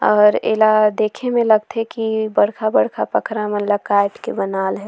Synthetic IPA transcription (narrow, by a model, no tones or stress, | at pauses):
ɔːɾḛːlad̪eːkʰemẽlɐɡ̚t̪ɛkibəɽkʰabəɽkʰapəkʰɾamənləkaːɪʈkebənaːlɦɛ